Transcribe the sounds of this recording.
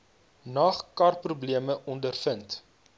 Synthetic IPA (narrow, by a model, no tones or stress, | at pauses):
nɐχkɐrprubliəməʔɔndərfənt